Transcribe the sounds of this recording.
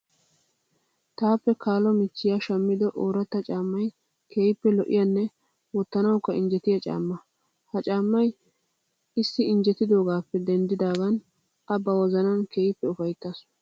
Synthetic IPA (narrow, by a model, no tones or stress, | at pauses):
t̪aːpːɛkaːlɔmɪt͡ʃːɪjaʃɐmːɪd̪ɔʔoːɾɐt̪ːɐt͡ʃʼaːmːɐj | kʰeːjɪpːɛlɔʔɪ̰janːɛ | wɔt̪ːɐnɐwkːɐɪnd͡ʒɛt̪ɪjɐt͡ʃʼa̰ːmːɐ | hɐt͡ʃʼaːmːɐj | ɪsːɪɪnd͡ʒɛt̪ːɪd̪o̞ːɡaːpːɛd̪ɛnd̪ɪd̪aːɡɐn | ʔɐbɐwɔzɐnɐnkeːjɪpːɛʊfɐjt̪ːɐs